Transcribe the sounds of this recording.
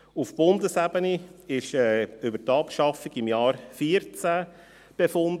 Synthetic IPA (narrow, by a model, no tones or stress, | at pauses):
ufb̥ʊnd̪əsæbəniɪʃɛːʏbəɾtɑːpʃɑfiɡɪmjɑːɾfiːəɾt͡sæ | b̥efʊnd